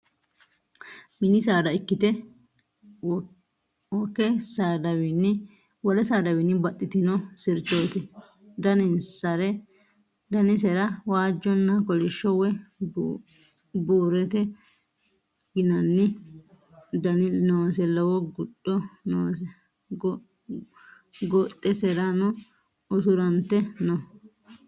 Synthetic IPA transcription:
mɪnɪsaːd̪ɐɪkːɪt̪ɛ | wɔkːɛsad̪ɐwɪnːɪ | wɔɾɛsaːd̪ɐwɪnːɪbɐt̪ʼːɪt̪ɪnɔsɪɾt͡ʃoːt̪ɪ | d̪ɐnɪnsɐɾɛ | d̪ɐnɪsɛɾɐwaːd͡ʒːɔnːɐkɔlɪʃːɔwɛ | buːɾɛt̪ɛ | ɡɪnɐnːɪ | d̪ɐnɪnoːsɛlɔwɔɡʊɗːɔnoːsɛ | ɡɔt̪ʼːɛsɛɾɐnɔ | ɔsʊɾɐnt̪ːɛnɔ

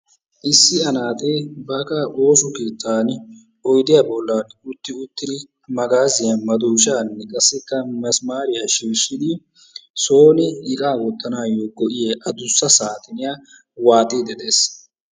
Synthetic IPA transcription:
ʔɪsːɪɐnaːt̪ebɐkɐʔo̞ːsʊkeːt̪ːaːn | ɔjd̪ɪjaːbɔlːaːnʊt̪ːɪʊt̪ːɪd̪ɪ | mɐɡaːzɪjɐmɐd̪uːʃaːnːɛkʼɐsːɛkːɐmɐsmaːɾɪjaʃiːʃːɪd̪ɪ | so̞ːnɪɪkʼaːwɔt̪ːɐnaːjoːɡɔʔɪjeːʔɐd̪ʊsːɐsaːt̪ʼɪnɪjaː | waːt̪ʼːɪd̪ɛd̪e̞ːs

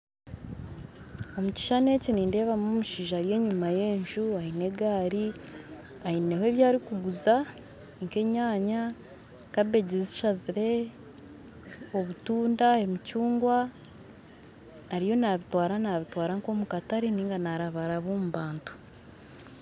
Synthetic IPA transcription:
o̞muci̥ʃane̞ceniːnde̞ːβamomuʃiːʒaːɾije̞ɲumaje̞ːɲʒuahine̞ɡaːɾi | aine̞hwe̞βjaːɾikuɡuza | ŋke̞ɲaːɲa | kabe̞ɟizi̥ʃaziɾe̞ | oβutuːndae̞micuːŋɡwa | ɾijo̞naβitwaːɾanaβitwaːɾaŋko̞mukataɾiniːŋɡanaɾaβaɾaβoːmuβaːntu̥

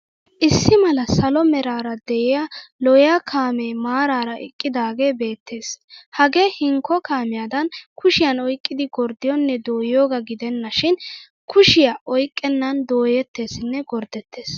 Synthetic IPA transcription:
ʔɪsːɪmɐlɐsɐlɔmɛɾaːɾɐd̪ɛʔɪjalɔjaːkʰaːmeːmaːɾaːɾɐʔɪ̰kʼːɪd̪aːɡe̞ːbe̞ːt̪ːe̞ːshɐɡe̞ːhɪŋkːɔkaːmɪjad̪ɐnkʰʊʃɪjɐnɔjkʼːɪd̪ɪɡɔɾd̪ɪjɔnːɛd̪o̞ːjo̞ːɡɐɡɪd̪ɛnːɐʃɪn | kʰʊʃɪjaʔɔjkʼːɛnːɐnd̪o̞ːjɛt̪ːe̞ːsɪnːɛɡɔɾd̪ɛt̪ːe̞ːs

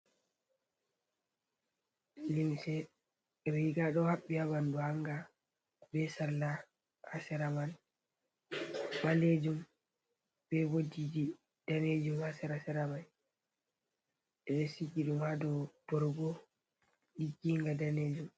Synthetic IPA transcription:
limsɛ | ɛbiɡaɗɔhaɓːihabanduhaŋɡa | bɛsalːa | hasɛɾaman | maled͡ʒum | bɛbodid͡ʒi | d̥aned͡ʒumhasɛɾasɛɾaman | ʔɛɗɛsid͡ʒiɗumhadɔd̥ɔɾɡɔ | ɗiɡiŋɡadaned͡ʒum

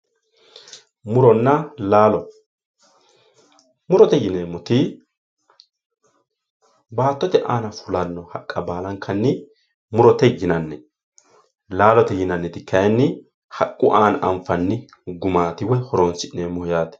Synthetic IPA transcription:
mʊɾɔnːɐlaːlɔ | mʊɾɔt̪ɛjɪneːmːɔt̪ɪ | baːt̪ːɔt̪ɛʔaːnɐfʊlɐnːɔhɐkʼːɐbaːlɐŋkʰːɐnːɪ | mʊɾɔt̪ɛjɪnɐnːɛ | laːlɔt̪ɛjɪnɐnːɛt̪ɪkʰːɐjnːɪ | hɐkʼːʊʔaːnɐ̰mfɐnːɪ | ɡʊmaːt̪ɪwɛhɔɾoːnsɪʔneːmːɔhɪjaːt̪ɛ̥

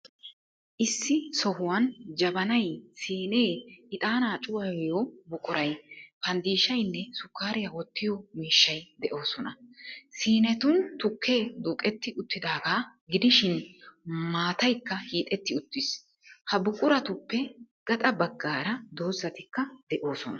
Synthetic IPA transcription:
ʔɪsːɪsɔhʊwɐnd͡ʒɐbɐnɐjsiːne̞ːɪt̪ʼaːnaːt͡ʃʼʊwɐwjobʊkʼʊɾɐjpɐnd̪iːʃɐjnːɛsʊkːaːɾɪjɐwɔt̪ːɪjɔmiːʃːɐjd̪ɛʔo̞ːsɔnɐsiːnɛt̪ʊnt̪ʊkʰːe̞ːd̪ʊkʼɛt̪ːɪʔʊt̪ːɪd̪aːɡaːɡɪd̪ɪʃɪn | maːt̪ɐjkːɐhiːt̪ʼɛt̪ːɪʊt̪ːɪs | hɐbʊkʼʊɾɐt̪ʊpːɛɡ̥ɐt̪ʼɐbɐɡːaːɾɐd̪oːzːɐt̪ɪkːɐd̪ɛʔo̞ːsɔnɐ

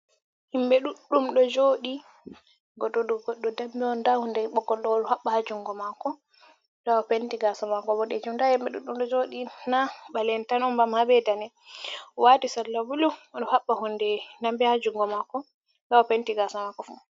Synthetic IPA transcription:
himɓɛɗuɗːumɗɔd͡ʒoːɗi | ɡɔɗɔɗɔɡɔɗːɔdambiɔndahundɛɓɔɡɔlɗɔɔɗɔhaɓːahad͡ʒuŋɡɔmakɔ | ɗawɔpentiɡasamakɔbɔɗɛd͡ʒumdahimbɛɗuɗːumɗɔd͡ʒoɗinaɓalɛntanɔmbamhabɛdanɛ | watisalːabuluɗɔhaɓːahundɛnambɛhad͡ʒuŋɡɔmakɔ | ɗaɔpentiɡasamakɔfu

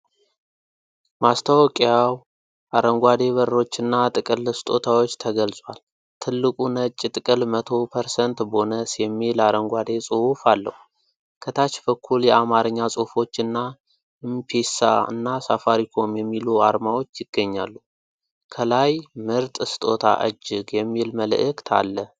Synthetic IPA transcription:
mast̪ʰawkʼaw | ʔaɾəŋɡʷad̪e̞βəɾo̞t͡ʃːɨnːat̪ʼɨkʼɨlɨst̪ʼo̞t̪ʰawo̞t͡ʃːt̪ʰəɡəlsʼwal | t̪ʰɨlːɨkʼunət͡ʃʼːɪt̪ʼɨkʼɨlmət̪ʰo̞pʰəɾsənt̪bəhonəsɛmelaɾəŋɡʷad̪e̞sʼɨhufalːə̰hu | kʰət̪ʰat͡ʃbəkʰːuljɛamaɾɨɲːasʼɨhfo̞t͡ʃːɨnːa | ɨmpʰesa̰ɨ̰nːasafaɾikʰo̞mjɛmːilua̰ɾmawo̞t͡ʃːjɪɡ̥ːəɲːa̰lːu | kʰəlajmɨɾt̪ʼɨst̪ʼo̞t̪ʰa̰ʔɨ̰d͡ʒːɪɡjɛmːilməl̰ʔɨkt̪ʰa̰lːə

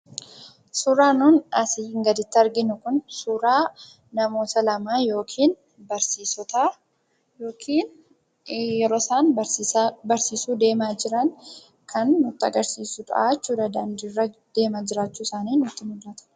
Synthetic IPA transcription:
suɾaːnuːnɐsɪhɪŋɡɐd̪ɪt̪ːɪɐɾɡɪnʊkʊnsuɾaː | nɐmo̞ːt̪ɐlɐmaːjo̞ːkʰiːn | bɐɾsiːsɔt̪aː | joːkʰiːn | jɛɾo̞ːsaːn | bɐɾsiːsuːd̪e̞ːmaːd͡ʒɪɾɐŋ | kʰɐnːʊt̪ːɪɐɡɐɾsiːsʊᶑ̪ʼɐ̰ʔaːt͡ʃːuːd̪ɐd̪and̪irːɐd̪̥e̞ːmaːd͡ʒɪɾaːt͡ʃːuːsaːniːnʊt̪ːɪmʊlːɐt̪ɐ̥

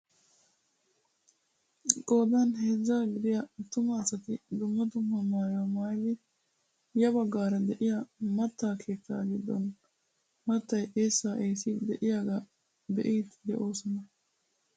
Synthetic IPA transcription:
kʼo̞ːd̪ɐnheːzːaːɡɪd̪ɪjɐt̪ʊmɐːsɐt̪ɪd̪ʊmːɐd̪ʊmːɐmːaːjamaːjd̪ɪ | jɐbɐɡːaːɾɐd̪ɛʔɪjɐmɐt̪ːaːkʰe̞ːt͡sːa̰ːɡɪd̪ːɔ̰n | mɐt̪ːɐjʔeːsːaːʔeːsɪd̪ɛʔɪjaːɡɐ | d̪ɛ̰ʔiːt̪d̪ɛʔo̞ːsɔnɐ

